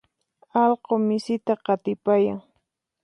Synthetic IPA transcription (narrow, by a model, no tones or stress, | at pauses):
ɑlqomɪsɪt̪aqɑt̪ɪpajaŋ